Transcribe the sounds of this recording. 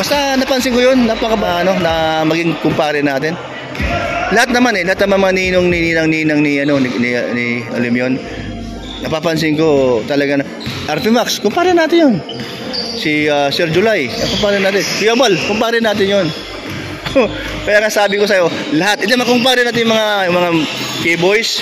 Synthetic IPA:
bɐst̪anɐpɐnsɪŋkojonːɐpɐkɐpɐʔɐno̞nɐmɐɡɪŋkʊmpaːɾɪnaːt̪ɪn | lɐhat̪̚nɐmanɛlɐhat̪nɐmɐmɐŋaniːnoŋniniːnɐŋniːnɐŋniʔɐno̞nnɪnɪʔo̰lɪmjon | nɐpapɐns̬ɪŋko̞t̪ɐlɐɡanɐ | ʔaɾt̪ɛfakskʊmpaːɾɛnaːt̪ɪnjon | siasɛɾd͡ʒʊlajnɐkʊmpaːɾɪnaːt̪ɪnfɪjɐbalkʊmpaːɾɪnaːt̪ɪnjon | o | kɐjaːŋasaːbɪkosɐjo̞lɐhat̪̚ʔɪnd̪omɐkʊmpaːɾɪnaːt̪ɪnjʊmɐŋajʊŋmɐŋakebojs

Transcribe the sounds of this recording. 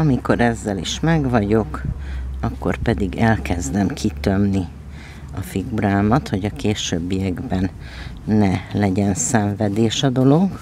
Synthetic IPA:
ɒmiko̞ɾɛzːɛliʃmɛɡʋɒɟo̞kɒkːo̞̰rpɛd̪iɡɛlkɛzd̪ɛmkʰit̪ømni | ɒfiɡuɾaːmɒt̪ho̞ɟɒkeːʃø̰ːbːijɛɡbɛnː | ɛlɛɟɛnsɛɱvɛd̪eːʃɒd̪o̞lo̞ɡ

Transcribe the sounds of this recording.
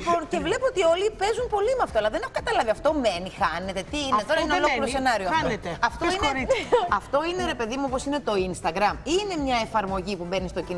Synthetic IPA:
ponce̞vle̞puot̪io̞lipe̞zunpo̞limeɐft̪oɐlɐðenexokɐt̪ɐlɐviɐft̪o̞me̞nixɐne̞t̪e̞t̪iiːet̪oɾɐineolokiɾose̞nɐɾioɐoet̪eɐft̪oineɐft̪o̞ineɾe̞pe̞ðimuopo̞sine̞t̪o̞inst̪ɐɡɾɐmine̞mɲɐefɐɾmo̞ʝipube̞nist̪o̞cin

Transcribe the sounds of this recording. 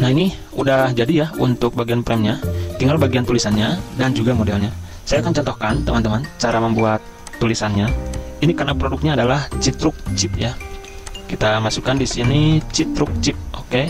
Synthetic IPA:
nahini | udahd͡ʒadijaunt̪ʊk̚baɡianpɾɛmɲat̪iŋɡalbaɡiant̪ulisanɲadand͡ʒuɡamodɛlɲa | sajaːkant͡ʃɔnt̪ɔhkant̪əmant̪əmant͡ʃaɾaməmbuat̪ː | ulisanɲainikarnapɾodʊk̚ɲaːdalaht͡ʃit̪ɾʊk̚t͡ʃip̚ja | kit̪amasukandisinit͡ʃit̪ɾʊk̚t͡ʃɪp̚oke

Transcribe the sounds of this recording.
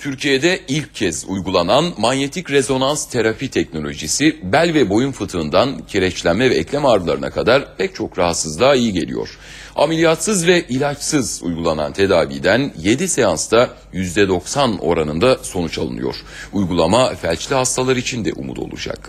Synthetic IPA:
t̪ʰyɾcʰijed̪ɛilʲcʰːɛzṵjɡulˠananmanje̞t̪ʰicɾezo̞nanst̪ʰeɾapit̪ʰɛcno̞lʲo̞ʒisibælʲvɛbo̞junfɯt̪ʰɯɯnd̪ancʰeɾɛt͡ʃlʲænmɛvɛɛclʲɛmaɾɯlˠaɾɯna̰kʰad̪aɾpʰɛc̚t͡ʃʰo̞kɾaɦat̪sɯzd̪ˠaːijiɟe̞̰lʲḭjo̞̰ɾ̥ | a̰melʲijat̪sɯzvɛʔilʲat͡ʃsɯzṵjɡulˠana̰nt̪ʰe̞d̪aːvḭːd̪ænje̞d̪ise̞janst̪a | jyzd̪ɛd̪o̞ksano̞̰ɾanɯnd̪aso̞nut͡ʃalˠɯ̰nɯ̰jo̞̰ɾ̥ujɡulˠamafælʲt͡ʃlʲiɦast̪ʰalˠaɾit͡ʃʰind̪ɛ̰ʔṵmṵd̪ʰo̞̰lˠṵd͡ʒa̰k

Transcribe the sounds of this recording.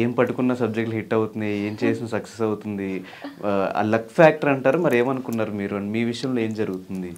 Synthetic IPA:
eːmpɐʈːukunːɐsɐb̚d͡ʒek̚ʈlɦiʈːɐwut̪und̪ie̞ːmt͡ʃeːsinɐsɐksesɐwut̪und̪i | a̰ːlɐkʰːfʰaːk̚ʈɐɾɐɳʈaːɾumɐɾieːmɐnukunːaːɾumiːɾuɐnimiːʋiʂɐjɐmloe̞ːmd͡ʒɐɾuɡut̪und̪i

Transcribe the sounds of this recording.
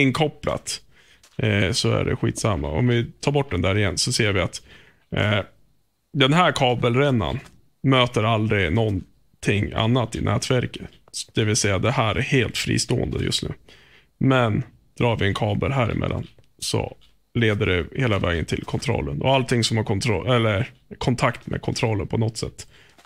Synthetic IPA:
ɪnkʰɔpla̰t̪ | sɔæ̰ɖɛ̰ɧḭːt̪samːaɔ̰mvɪt̪ʰɑːɾbɔʈ̚ːɖ̪ɛnd̪æːɾɪjɛnːsɔseːɾvɪat̪ | d̪ɛnɦæːɾkʰɑːbəlɾɛnːa̰n | møːt̪əɾald̪ɾɪnɔn | t̪ʰɪŋːa̰nːat̪ːɪnʔɛːt̪væɾkə̥t̪ | d̪̥ɛvɪlsɛjːad̪ɛhæːɾʔæheːlt̪fɾḭːst̪oːənd̪əjɵ̰st̪nʉ̟ː | mɛn | d̪̥ɾɑːɾvɪɛnkʰɑːbəlɦæːɾɪ̰mʔɛ̰lːa̰n | sɔ̰ | leːd̪əɖɛheːlavɛːɡənt̪ʰɪlkʰɔnt̪ʰɾɔ̰lːənɔalt̪ʰɪŋsɔmhaɾkʰɔnt̪ʰɾɔɛlːəɾkʰɔnt̪ʰakt̪mʔḛːkʰɔnt̪ʰɾɔlːənpʰɔnɔt̪sɛt̪ː

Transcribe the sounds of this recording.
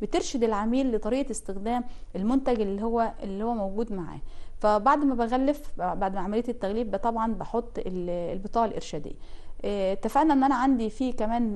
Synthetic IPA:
bet̪eɾʃed̪elʕamiːlːet̪ˤɑɾiːʔest̪exd̪æːmʔelmont̪æɡelːihowːæelːihowːæmowɡuːd̪maʕa̰ːfæbaʕd̪mæbæɣælːefbaʕd̪mæʕamælejæt̪et̪ːæɣliːbbæt̪ˤɑbʕɑnbɑħot̪ˤːellbɨt̪ˤɑːʕɑlʔḛɾʃæːd̪ḛjːæ | t̪ːæfænæʔenːʔænæʕand̪ifiːkæmæːn

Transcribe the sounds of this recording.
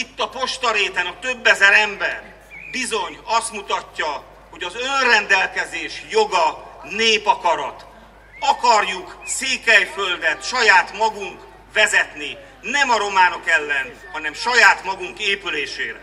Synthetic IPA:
it̪ːɒpo̞ʃt̪ɒɾeːt̪ɛnɒt̪ø̞bːɛzɛɾɛmbɛr | bizo̞ɲɒst̪mut̪ɒcːɒ | ho̞ɟɒzø̞nrɛnd̪ɛlkɛzeːʃjo̞ɡɒneːpɒkɒɾɒt̪ | ɒkɒrjukseːkɛjføld̪ɛt̪ʃɒjaːt̪mɒɡuŋk | ʋɛzɛt̪ni | nɛmɒɾo̞maːno̞kɛlːɛn | hɒnɛmʃɒjaːt̪mɒɡuŋkeːpyleːʃeːɾ

